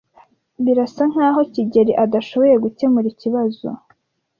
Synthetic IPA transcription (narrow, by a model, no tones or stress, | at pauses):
βiɾasaŋ̥haːɦo̞ciɟe̞ɾiʔadaʃo̞βo̞ɾe̞ɡuce̞muɾiciβazo̞̰